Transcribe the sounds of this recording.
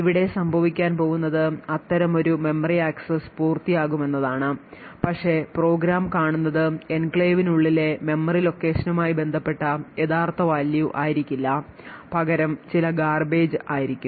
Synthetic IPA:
iʋiɽe̞sɐmbʱɐʋikʲːaːnpo̞ːɣunːɐðɨɐt̪ːɐɾɐmo̞ɾume̞mːɐriaːksɐspuːrt̪ijaːɣume̞nːɐðaːɳɨpɐkʂe̞pro̞ːɡɾaːmkaːɳunːɐðɨenkɭeːʋinuɭːile̞me̞mːɐrilo̞kːe̞ːʂɐnumaːjibe̞nd̪ʱɐpːe̞ʈːɐje̞ðaːrt̪ʰɐʋaːljuʔaːjiɾikʲːilːɐ | pɐɣɐɾɐmt͡ɕilɐɡaːrbe̞ːd͡ʑɨaːjiɾikʲːu

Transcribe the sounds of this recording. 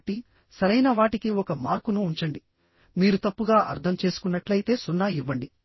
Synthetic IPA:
ʈi | sɐɾɐjnɐʋaːʈikiɔkɐmaːɾkunuːɲt͡ʃɐɳɖi | miːɾut̪ɐpːuɡaːʔɐ̰ɾt̪ʰɐmt͡ʃe̞ːsu̥kunːɐʈlɐjt̪e̞ːsunːaiʋːɐɳɖi

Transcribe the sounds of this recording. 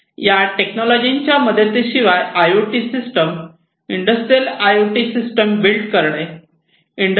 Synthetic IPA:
jaʈeknɔlɔd͡ʑiɲt͡ɕjaməd̪ʱːet̪iɕiʋajajoʈisisʈəm | iɳɖəsʈɾijəlajoʈisisʈəmbilʈkəɾɳe | iɳɖ

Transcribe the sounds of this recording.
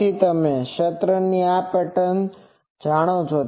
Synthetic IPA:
it̪əmẽʃət̪ɾənːiapɛʈən | d͡ʒaɽ̃ot͡ʃʰo

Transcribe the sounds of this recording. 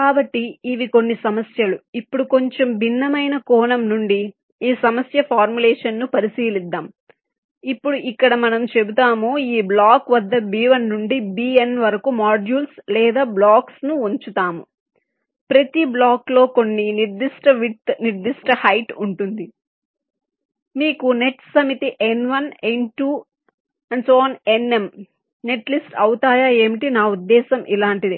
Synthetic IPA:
kaːbɐʈːiːʋiko̞nːisɐmɐsjɐluipːuɽuko̞ɲt͡ʃe̞mbʱinːɐmɐjnɐkɔːnɐmnuɳɖi | iːsɐmɐsjɐpʰaːɾmulɛːʂɐnːupɐɾisiːlid̪ːaːm | ipːuɽuʔikːɐɽɐmɐnɐmt͡ʃe̞but̪aːmuiːblaːkʋɐd̪ːɐbiːʋɐnːuɳɖibiːenʋɐɾɐkumaːd͡ʒjuːlslɛːd̪aːblaːksnuuɲt͡ʃut̪aːmu | pɾɐt̪iblaːklo̞ːko̞nːiniɾd̪iʂʈɐʋit̪niɾd̪iʂʈɐhɐjʈuɳʈund̪i | miːkune̞ʈsɐmit̪iʔenʋɐnenʈuː | ɐɳɖsoːnene̞m | ne̞ʈlisʈɐwut̪aːjaːe̞ːmiʈinaːud̪ːɛːsɐmʔilaːɳʈid̪i

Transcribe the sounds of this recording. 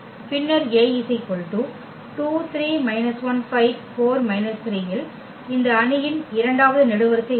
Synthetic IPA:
pɪnːɐɾeːɪsɐɪpːɔɾʈːu | ʈuːt̪ʰɾiːmɐɪnɐsʋɐnfɐɪʋfoːɾmɐɪnɐst̪ɪɾiːjɪl | ɪnd̪ɐːɳɪjɪnɪɾɐɳɖaːʋɐðɯnɛɽɯʋɐɾɯkːɐ

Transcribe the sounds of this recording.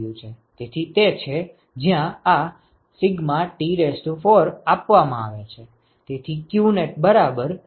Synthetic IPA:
jũt͡ʃʰe | t̪et̪ʰit̪et͡ʃʰe | d͡ʒjãa | sɪɡmaʈiɾesʈufoɾapʋamãaʋet͡ʃʰe | t̪et̪ʰikjuneʈ̚bəɾabəɾ

